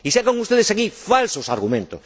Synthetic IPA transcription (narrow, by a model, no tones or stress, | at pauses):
isakaŋust̪eðesakifalsosaɾɣumẽnt̪o̰s